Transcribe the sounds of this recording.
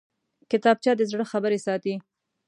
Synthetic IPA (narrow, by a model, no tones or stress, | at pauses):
kɪt̪ɑb̚t͡ʃɑd̪əzɽəxabəɾesɑt̪i